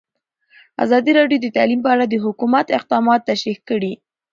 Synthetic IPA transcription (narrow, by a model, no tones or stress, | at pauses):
a̰zɑd̪iɾɑɖjod̪ət̪alimpəaɽad̪əɦʊkumat̪ɪq̚d̪ɑmɑt̪ːaʃɾixkəɽi